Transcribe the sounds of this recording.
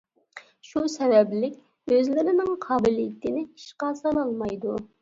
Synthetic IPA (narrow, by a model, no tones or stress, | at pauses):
ʃusɛvɛblɪkʲ | øzlɪɾɪnɪŋqʰɑːbɪlijit̪ɪnɪiʃqɑsɑnɑlˠmɑjd̪u